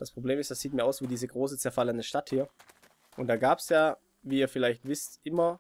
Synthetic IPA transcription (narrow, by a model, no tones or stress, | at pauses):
d̥aspʁ̥obleːmɪstd̥asz̥iːtmiɐaʊv̥iːdiːzəɡʁoːsət͡sɛɐfalənəʃtathiːɐ | ʔʊntd̥aːɡaːpsjaː | viːiːɐfɪlaɪçtv̥ɪstʔɪmɐ